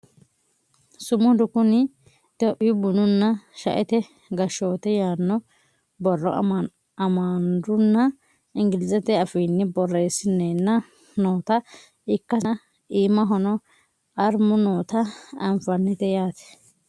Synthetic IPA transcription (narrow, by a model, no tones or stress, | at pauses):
sʊmɔd̪ʊkʊnɪ | d̪̥ɔʔɪʊbʊnʊnːɐʃɐ̰ʔɛt̪ɛ | ɡɐʃo̞ːt̪ɛjaːnːɔ | bɔrːɔ̰ | ɐmaːnd̪ʊnːɐ | ɪŋɡɪlɪzɛt̪ɛɐfiːnːɪbɔrːesɪnːenːɐ | noːt̪ɐ | ɪkːɐ | iːmːɐɦɔnɔ | ɐɾmʊnoːt̪ɐɐmfɐnːɪt̪ɛjaːt̪ɛ̥